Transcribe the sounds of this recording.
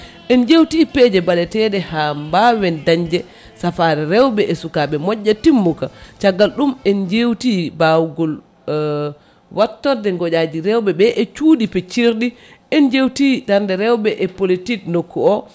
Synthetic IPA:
ʔɛnd͡ʒewtiːpɛd͡ʒɛbaɗɛtɛɗɛhambawɛndaɲd͡ʒɛ | safaɾɛɾɛwbɛʔɛsukaɓɛmɔɟːatimːukat͡ʃaɡalɗumɛnd͡ʒewtibawɡɔl | watːɔdɛŋɡɔɗad͡ʒiɾɛwbɛbɛʔɛt͡ʃudipɛt͡ʃiɾɗi | ʔɛnd͡ʒewtidanndɛɾɛwbɛʔɛpolitiknokːuɔ

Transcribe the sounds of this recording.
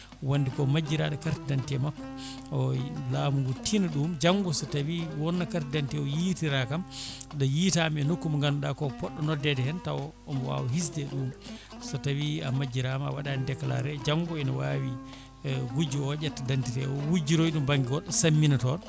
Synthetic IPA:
wanːdikɔmad͡ʒːiɾaɗɔkaɾtidantiɛmakːɔ | ɔlaːmuŋɡɔtinaɗumd͡ʒaŋɡɔsɔtawiwɔnːakaɾtidantiɛɔjitiɾakamɗɔjitamɛnokːumaŋɡanɗakɔpɔɗːɔnɔdɛdɛhɛntawɔːmɔwa̰wɔhis̬dɛɗuːm | sɔtawiamad͡ʒːiɾamawaɗandɛkla̰ɾɛd͡ʒaŋɡɔɛnɔwawi | ɡud͡ʒiɔjatːadantitɛ̰ɔwud͡ʒiɾoiɗumbaŋɡiwɔɗːɔsamːinatɔn

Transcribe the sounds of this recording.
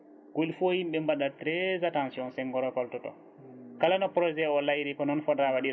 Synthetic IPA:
ɡ̥olifohimɓɛmbaɗatɾɛzatãnsiɔnsɛŋɡɔɾɔkɔltɔtɔ̰ | kalanɔpɾɔd͡ʒɛɔlajɾikɔnɔnfɔdɾawaɗiɾ

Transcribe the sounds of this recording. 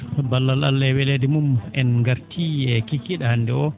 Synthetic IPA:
balːala̰lːɛwɛledimumɛnŋɡaɾtʰiɛkikːiɗahanːdɛɔ

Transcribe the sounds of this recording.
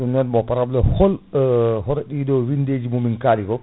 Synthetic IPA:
unadmɔpaɾablɛhɔlɦɔɾɛɗidɔwinded͡ʒimumiŋkaɾikɔ

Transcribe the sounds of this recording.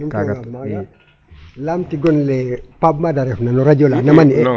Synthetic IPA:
ikɡaa | lamtiɡɔnlɛpabmadaɾɛfnanɔɾad͡ʒolanamani

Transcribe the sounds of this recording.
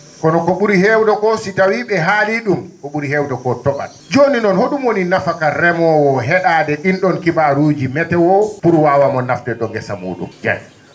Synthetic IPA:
kɔnɔkɔɓuɾihɛwdɔkɔsitawiɓɛɦaliɗumkɔɓuɾihɛwdɔkɔtɔɓa̰n | d͡ʒoninɔnhoɗumwoninafakaɾɛmɔwɔɦɛɗadɛɗinɗɔnkibaɾuːd͡ʒimɛtɛwɔpuɾwaːwamɔnːaftɛɗɔŋɡɛsamṵːɗṵmd͡ʒa̰j

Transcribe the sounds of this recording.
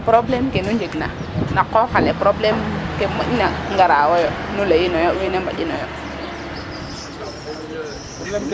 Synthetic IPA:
pɾoblemkenuɲd͡ʒeɡna̰ | nakːofalepɾoblemkemainaŋɡaɾawojonulajinojowinembaɗinɔjo

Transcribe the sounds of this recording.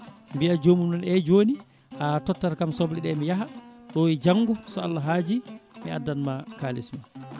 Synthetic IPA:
mbiad͡ʒomunɗɔnɛd͡ʒoni | ʔatɔtːaɾkamsɔbliɗɛmijaɦaɗɔid͡ʒaŋːɡɔsɔalːaɦaːd͡ʒimia̰dːanmakaːlisma

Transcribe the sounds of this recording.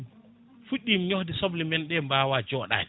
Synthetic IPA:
fuɗːimɲohdisɔblimɛnɗɛmbaːwad͡ʒɔːɗa̰

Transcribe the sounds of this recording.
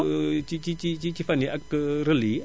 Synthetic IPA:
t͡ʃit͡ʃit͡ʃit͡ʃit͡ʃifaniʔakɾəli

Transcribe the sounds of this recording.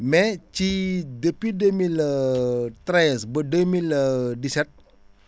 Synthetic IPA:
mɛt͡ʃidəpidəmilət̪ɾajənsbədəmilədisɛt̪̚

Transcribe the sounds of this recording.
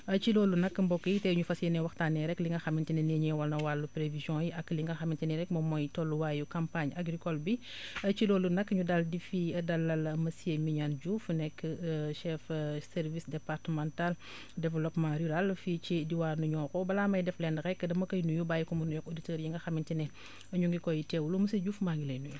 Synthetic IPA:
ɐt͡ʃiloːlunɐkːmbɔkːəjtɛɲufɐsiɛnɛwɐxtaːnɛɾɛkliŋɡɐxɐmintinɛnɛɲɛwɐlnɐwalːupɾevizjɔ̃jiʔɐkːliŋɡɐxɐmintinɛɾɛkmɐmɔjtɔlːuwaːjukampaɲaɡɾikɔlbiɐt͡ʃiloːlunɐkːɲudaldifiɐdɐlɐlmɐsiemiɲanɟufunɛkːəʃɛfsɛɾvisdɛpaɾtəmãntal | dɛvɛlɔpmãɾyɾalfit͡ʃidiwaːnuɲɔːkɔbɐlaːmɐjdɛflɛndɐɾɛkːdɐmɐkɐjnujubaːjukɔmunujɔkoditəːɾjiŋɡɐxɐmintinɛ | ɐɲuŋɡikɔjitɛwulumusɐɟuːfmaŋɡilɐjnuju

